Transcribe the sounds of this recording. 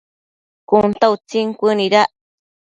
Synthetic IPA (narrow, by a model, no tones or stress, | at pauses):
kunt̪aut͡siŋkʷɨniɾaʔ